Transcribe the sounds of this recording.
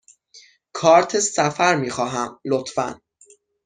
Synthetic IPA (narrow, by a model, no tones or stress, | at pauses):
kʰɒːɾt̪ʰesæfæɾmiːxɒːɦæmlot̪fæ̰n